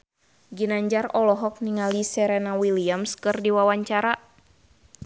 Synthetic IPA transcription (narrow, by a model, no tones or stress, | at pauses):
d͡ʒɨnaɲd͡ʒarɔlɔɦɔk̚niŋalisɛɾɛnawiliamskɨrdiwawaɲt͡ʃaɾa